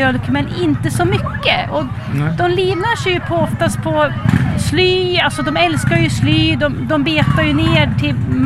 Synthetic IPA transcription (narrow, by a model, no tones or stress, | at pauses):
œlkmɛnɪnt̪əsɔmʏkːəɔ | d̪ɔmliːvnaʂɛjɵpʰɔɔft̪ast̪̚pʰɔslyːalsɔd̪ɔmɛlskaɾjɵslyːd̪ɔmd̪ɔmbeːt̪aɾjɵneːʈʰɪlm